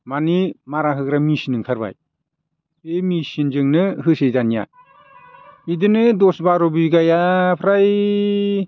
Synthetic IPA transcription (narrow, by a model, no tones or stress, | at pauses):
manimaɾaɦɯkɾamisinɯŋkʰaɾba̰j | emisind͡ʒɯŋnɯhɯsejzanija̰ | idɯnɯdɔsbaɾɔbɯɡajapʰɾaj